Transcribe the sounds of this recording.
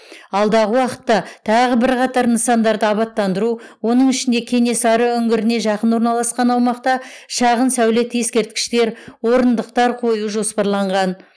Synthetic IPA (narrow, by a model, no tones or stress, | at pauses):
ɑlˠd̪ɑʁəwɑqə̥t̪ːɑt̪ʰɑʁəbɪɾqɑt̪ɑɾnəsɑnd̪ɑɾd̪əɑbɑt̪ːɑnd̪əɾuwo̞nəɴɪʃɪnd̪e̞kʲʰe̞ne̞sɑɾəʏŋɡʲɪɾɪne̞ʒɑqənwoɾnɑlˠɑsqɑnɑwmɑqt̪ɑʃɑʁənsæwle̞t̪je̞skʲe̞ɾt̪̚kʲɪ̥ʃt̪e̞ɾwo̞ɾənd̪əq̚t̪ɑɾqʰo̞juʒo̞spɑɾlˠɑɴʁɑn